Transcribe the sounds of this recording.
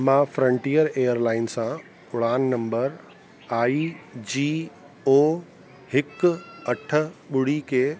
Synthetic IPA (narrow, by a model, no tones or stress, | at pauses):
mãːfɾə̃ɳʈiːəɾeːəɾlaːɪnsã | ʊɽaːnːɐ̃mbəɾ | aːid͡ʑiː | oː | hɪkɐʈʰə̆ɓʊɽ̤ikʰeː